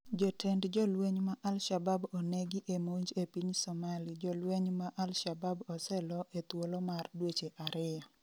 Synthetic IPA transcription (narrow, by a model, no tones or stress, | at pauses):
d͡ʒɔtʰɛndd͡ʒɔlweɲmaʔalʃababoneɡiʔemoɲd͡ʒepiɲsɔmalid͡ʒɔlweɲmaʔalʃababɔsɛlɔʔet̪wolomardwet͡ʃeʔaɾɪja